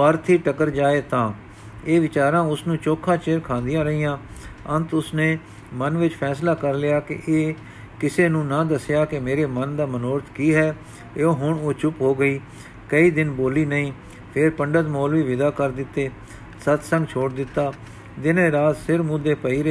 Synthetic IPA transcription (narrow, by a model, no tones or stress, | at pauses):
aːɾt̪ʰiːʈəkəɾd͡ʒaːeːt̪ãː | eːʋɪt͡ʃaːɾãːʊsnũːt͡ʃoːkʰːãːt͡ʃeːɾkʰãːnd̪ɪjãːɾəɦiːjãːənt̪ʊsneː | mənʋɪt͡ʃpʰɛːslaːkəɾlɪjaːkɪ̰ʔeː | kɪseːnũːnãːd̪əsɪjaːkɪmeːɾeːmənd̪aːmənoːɾt̪ʰkiːɦɛː | eoːɦʊɳoːt͡ʃʊpɦoːɡəiː | kəiːd̪ɪnboːliːnəĩː | pʰɪɾpəɳɖət̪moːlʋiːʋɪd̪aːkəɾd̪ɪt̪ːeː | sət̪sə̃ŋɡt͡ʃʰoːʈd̪ɪt̪ːaː | d̪ɪneːɾaːt̪sɪɾmʊːd̪eːpəiːɾ